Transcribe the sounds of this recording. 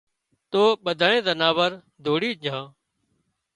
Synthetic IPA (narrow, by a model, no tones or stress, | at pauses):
t̪oːɓəd̪ʱaːɳẽːzənaːʋəɾ | d̪ʱoːɽiːd͡ʒʱãː